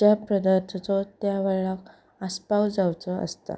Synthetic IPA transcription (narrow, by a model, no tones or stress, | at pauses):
d͡ʑapɾəd̪əɾt̪ʰt͡sɔt̪jaʋeɭɭak | əspawd͡zawt͡sɔə̰st̪a̰